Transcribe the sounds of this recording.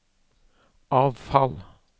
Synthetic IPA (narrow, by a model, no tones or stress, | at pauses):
ʔɑːʋfɑl